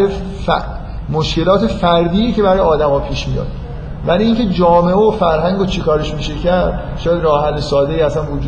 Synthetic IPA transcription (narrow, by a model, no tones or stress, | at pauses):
e | moʃce̞lɒːt̪ʰe̞fæɾd̪iːecʰe̞bæɾɒːjɒːd̪æmɒːpʰiːʃmḭjɒ̰ːd̪̥ | væliiːŋcʰe̞d͡ʒɒːmeʔofæɾɦæŋɡot͡ʃʰikʰɒːɾeʃmiːʃe̞cʰæɾd̪̥ | ʃɒːjæd̪rɒːhælːesɒːd̪eiːæsænvod͡ʒuː